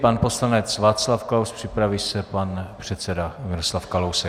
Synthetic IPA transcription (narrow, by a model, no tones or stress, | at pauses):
panpo̞slanɛt͡svaːt̪t͡slafklawspr̥ɪpɾaviːsɛpanpr̝̥ɛt̪sɛdamɪɾoslafkalowsɛ